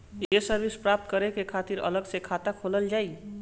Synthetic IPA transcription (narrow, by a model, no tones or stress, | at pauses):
jesəɾbispɾap̚t̪kəɾekekʰat̪iɾə̰ləɡsekʰat̪akʰoləld͡ʒaːi